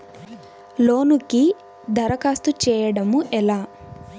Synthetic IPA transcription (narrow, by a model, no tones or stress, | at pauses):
loːnuki | d̪ʱɐɾɐkaːst̪ut͡ʃɛːjɐɽɐmuʔɛlaː